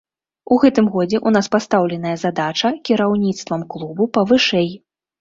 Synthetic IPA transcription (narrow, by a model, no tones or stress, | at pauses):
uɣɛt̪ɨmɣɔd͡zʲɛʔun̪aspast̪awlʲɛnɐjɐzad̪at͡ʂɐkʲiɾawnʲit̪st̪vɐmklˠubupɐvɨʂɛj